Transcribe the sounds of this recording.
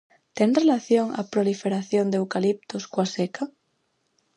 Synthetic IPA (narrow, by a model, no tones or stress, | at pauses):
t̪eŋrelaθjoŋa̰pɾolifeɾaθjond̪ewkalip̚t̪oskwasekʰa